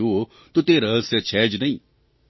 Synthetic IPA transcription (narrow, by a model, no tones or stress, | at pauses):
o | t̪ut̪eːɾɐɦsɐt͡ʃʰɛːd͡ʒnɐĩ